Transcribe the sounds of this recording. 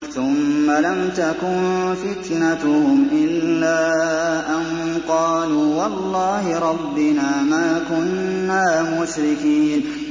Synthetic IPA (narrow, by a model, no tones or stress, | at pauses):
θʊmːalamt̪akʊnfɪt̪nat̪ʊhʊmʔɪlːaːʔanqɑːluːwɑlˤːɑːhɪɾˤɑbːɪnaːmaːkʊnːaːmʊʃɾɪkiːn